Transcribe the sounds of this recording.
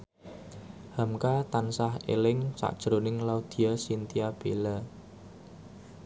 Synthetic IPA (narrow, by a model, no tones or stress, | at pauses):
hamkat̪ansahḛlɪŋsa̰k̚d̥ʒ̥ɾonɪŋlaud̪̥i̤asint̪iab̥ela